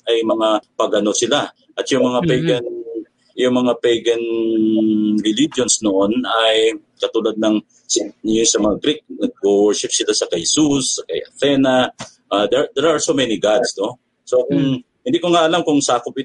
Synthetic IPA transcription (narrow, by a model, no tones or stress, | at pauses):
ʔɐjmɐŋapɐɡʔɐno̞sɪla | ʔɐt̪jʊŋmɐŋapɛjɡɐn | jʊŋmɐŋapɛjɡɐn | ɹɪlid͡ʒonsnoʔonɐj | kɐt̪uːlad̪̚nɐŋ | sjʊnsɐmɐŋaɡɾik̚nɐɡ̚kowɹʃɪp̚sɪlasɐkɐhsusːɐkɐjʔɐt̪ɛnɐ | ʔad̪ɛd̪ɛɾasomɛniɡad̪sno̞ | so̞kʊŋ | hɪnd̪ikoŋaʔɐlamkʊŋsaːkʊp̚ɪ